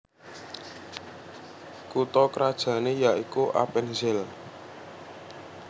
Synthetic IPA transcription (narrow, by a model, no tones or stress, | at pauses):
kut̪ɔkəɾad̥ʒ̥ä̤nejaʔikuʔa̰pɛnzɛl